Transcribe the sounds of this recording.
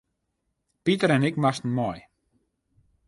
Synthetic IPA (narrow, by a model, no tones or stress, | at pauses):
pitəɾɛnɪkmastn̩mɔj